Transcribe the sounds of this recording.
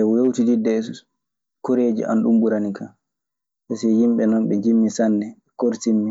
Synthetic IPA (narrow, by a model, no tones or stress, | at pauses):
ɛwewtididːɛs | koɾeːd͡ʒḭʔa̰nɗumbuɾanika | ɓɛsɛhimɓɛnɔnɓɛd͡ʒimːisanːɛɛkoɾtimːi